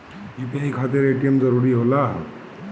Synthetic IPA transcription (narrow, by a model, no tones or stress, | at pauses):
ipeikʰat̪iɾeʈiəmd͡ʒəɾuɾiɦolaɦ